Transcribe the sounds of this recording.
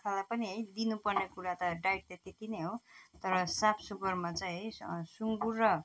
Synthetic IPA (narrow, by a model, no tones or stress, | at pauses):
kʰalapʌniɦʌjd̪inupʌrnekuɾat̪ʌɖajʈ̚t̪et̪it̪ineɦot̪ʌɾʌsapʰsupʌrmat͡saĩɦʌsuŋɡurːʌ